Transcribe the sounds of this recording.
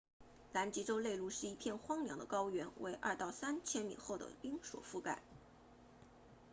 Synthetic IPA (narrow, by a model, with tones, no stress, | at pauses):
la˧˥nt͡ɕi˧˥ʈ͡ʂo˥ʊle˥˧ɪlu˥˧ʂɻ̩˥˩i˧˥pʰjɛ˥˩nxwɑ˥ŋljɑ˧˥ŋd̪ə˧kɑ˥ʊɥɛ˧˥nwe˧˥ɪʔɐ̰˥˧t̪ɑ˥˩ʊsa˥nt͡ɕʰjɛ˥nmḭ˨˩xo˥˩ʊd̪ə̰˩pi˥ŋʂwɔ̰˨˩fu˥˧ka̰˥˩˦